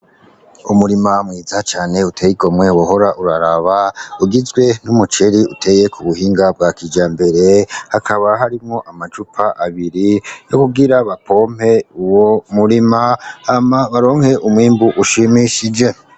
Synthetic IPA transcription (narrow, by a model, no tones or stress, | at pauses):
umuɾimamŋiːzat͡ʃaːne̞utʰejiɡo̞mŋe̞woɦo̞ɾaʔuɾaɾaβauɡizɡwe̞numut͡ʃe̞ɾiutʰe̞je̞kʰuβuhiːŋɡab̚ɡakid͡ʒaːmbe̞ɾe̞hakʰaβaɦaɾimŋo̞ʔamad͡ʒupʰaʔaβiɾijo̞kuɡiɾaβapʰo̞ːm̥he̞uwomuɾimaamaβaɾo̞ːŋhe̞ʔumwiːmbuʔuʃimiʃid͡ʒe̞